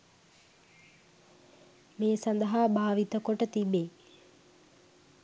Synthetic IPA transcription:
meːsand̪əɦaːbaːʋit̪əkoʈət̪ibeː

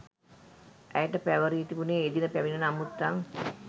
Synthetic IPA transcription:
ʔæjəʈəpæʋəɾiːt̪ibuneːd̪inəpæʋinənamut̪ːaŋ

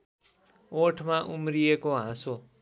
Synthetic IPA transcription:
oʈʰmaʔumrijekoɦãso

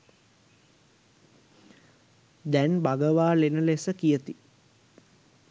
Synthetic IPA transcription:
d̪ænbaɡəʋaːlenəlesəkijət̪i

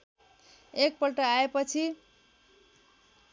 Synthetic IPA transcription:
ek̚pʌlʈʌaepʌt͡sʰi

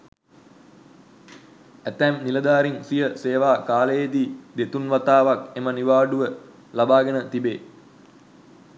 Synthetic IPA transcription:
æt̪æːmniləd̪aːɾinsijəseːʋaːkaːləjed̪iːd̪et̪unʋat̪aːʋakeməniʋaːɖuʋə | labaːɡənət̪ibeː

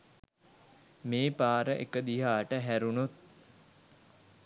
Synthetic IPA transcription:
meːpaːɾəʔḛkəd̪iɦaːʈəɦæɾunut̪̚

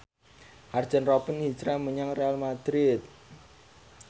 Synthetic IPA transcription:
hard̥ʒ̥ə̤nrɔpənhi̥t͡ʃɾaməɲaŋrealmad̪̥ɾɪt̪̚

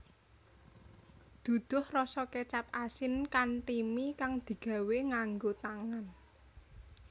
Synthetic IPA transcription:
d̪̥ṳd̪̥ʊ̤hrɔsɔket͡ʃap̚asɪnkant̪imikaŋd̪̥i̤ɡ̥ä̤weŋaŋɡot̪aŋan

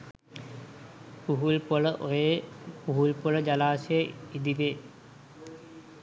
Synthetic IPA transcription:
puɦulpəɭəʔojepuɦulpuɭəd͡ʒalaːsijeid̪id̪e

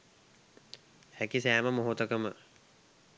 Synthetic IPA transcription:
hækisæːməmoɦot̪əkəmə

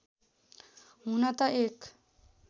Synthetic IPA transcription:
ɦunʌt̪ʌek

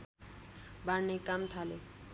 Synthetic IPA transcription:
baɾnekamt̪ʰale

